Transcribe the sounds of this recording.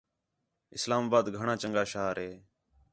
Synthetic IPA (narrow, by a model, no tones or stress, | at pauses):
ɪslaːmaːbaːd̪ɡʱəɳãːt͡ʃəŋɡaːʃaːɾɦeː